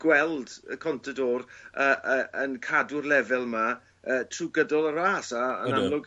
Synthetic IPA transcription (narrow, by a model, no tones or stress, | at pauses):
ɡ̥wɛlˠd̥əkʰɔntʰədoːrəːʔəənkʰadʊrlɛvɛlˠma | əːtʰruɡədɔlˠəɾaːsaə̰nnamlˠʊɡ